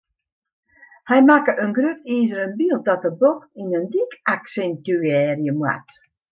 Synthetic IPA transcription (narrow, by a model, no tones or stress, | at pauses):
hɛjmakəʔənɡrøpiːzəɾənbilˠdɔt̚əboxtinəndikaksɛntyɛːrjəmwa̰t